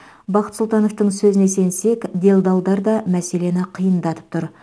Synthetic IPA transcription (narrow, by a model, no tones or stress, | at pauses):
bɑqə̥t̪sʊlˠt̪ɑno̞ft̪əɴsɵzɪne̞se̞nse̞kd̪e̞lˠd̪ɑlˠd̪ɑɾd̪ɑmæse̞le̞nɪqʰijənd̪ɑt̪ə̥p̚t̪ʰʊɾ